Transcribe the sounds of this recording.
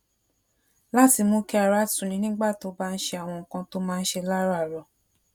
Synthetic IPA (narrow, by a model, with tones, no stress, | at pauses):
la˦˨ti˧mo˧kɛ˧a˨ɾa˨˦tũ˨nĩ˧˦nĩ˦ɡ͡ba˦˨to˨˧˦ba˦n̩˦ʃe˧a˨w̃ɔ̃˧ŋ̩˨kã˧to˦mã˦˧n̩˦ʃe˧la˦ɾa˦˨ɾɔ˨